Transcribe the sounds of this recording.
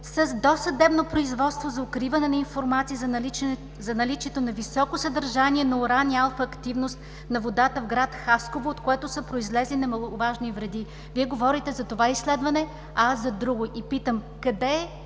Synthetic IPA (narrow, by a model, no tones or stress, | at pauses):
səzd̪ɔsɐd̪ɛbnopɾoizvɔt̪st̪vozɐokɾivɐnɛnɐinfoɾmat̪siəz | zɐnɐlit͡ʃiɛt̪onɐvisɔkosəd̪ɐɾʒaniɛnɐʊɾanialˠfɐːkt̪ivnost̪ | nɐvod̪at̪əvɡɾat̪xaskovoot̪koɛt̪ʊsəpɾoizlɛzlinɐmɐlˠovaʒnivɾɛd̪i | viɛɡovɔɾit̪ɛzɐt̪ovaislɛd̪vɐnɛ | ɐasːɐd̪ɾuɡʊʔipit̪əm | kɐd̪ɛ